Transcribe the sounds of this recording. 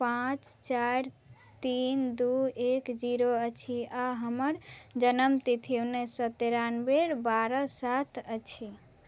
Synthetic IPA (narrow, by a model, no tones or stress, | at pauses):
pãt͡ʃt͡ʃaɾ | t̪ind̪uekd͡ʒiɾoət͡ʃʰiaɦəməɾd͡ʒənəmt̪it̪ʰiwnesət̪eɾanbeɾbaɾəsat̪ʰət͡ʃʰi